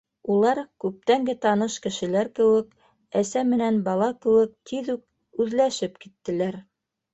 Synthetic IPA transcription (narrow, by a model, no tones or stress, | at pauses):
ulˠɑɾkʉp̚t̪æŋɡɘt̪ɑnɤʃkɘ̆ʃɘ̆læɾkɘ̆wɘk | æsæmɘ̆nænbɑlˠɑkɘ̆wɘk̚t̪ʰiðuk̚ | ʉðlæʃɘpkit̪ːɘ̆læɾ